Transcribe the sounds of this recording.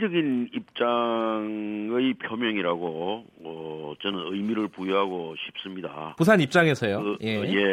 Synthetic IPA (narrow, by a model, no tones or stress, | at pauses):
d͡ʑʌɡinip̚t͡ɕ͈aŋɯjpʰjomjʌŋiɾaɡo | ʌt͡ɕʌnɯnɯjmiɾɯɭpujiɦaɡoɕʰi̥p̚s͈ɯmɲida̰pusʰaɲip̚t͡ɕ͈aŋɦe̞sʰʌjoje̞je̞